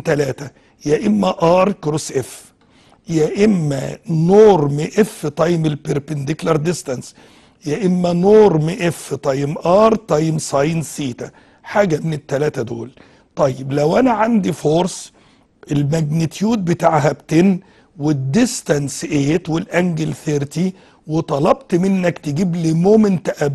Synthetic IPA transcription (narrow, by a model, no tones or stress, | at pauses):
t̪ælæːt̪æ | jæʔɪmːæʔɑːɾˤkɾosʔef | jæʔɪmːæ̰noːɾmɪʔefːt̪ˤɑjmɪlpeɾpend̪ɪklɑɾˤd̪ɪst̪ɑns | jæʔɪmːænoːɾmɪʔefːt̪ˤɑjmʔɑːɾˤt̪ˤɑjmsˤɑjnsiːt̪æ | ħaːɡæmɪnɪt̪ːælæːt̪æd̪o̰ːl | t̪ˤɑjːeblæwʔænæʕand̪ifoːɾs | ʔelmæɡnet̪juːd̪̚bet̪aːʕɦæbt̪enː | wed̪ːɪst̪ænsʔeːt̪welʔæŋɡelθeɾt̪i | wet̪ˤɑlɑbt̪mɪnːækt̪ɪɡiːblemoːmɪnt̪æʔæb